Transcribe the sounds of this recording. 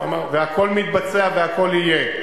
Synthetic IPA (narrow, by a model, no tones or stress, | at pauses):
a̰maveako̞lmit̪̚bat͡seaveako̞lije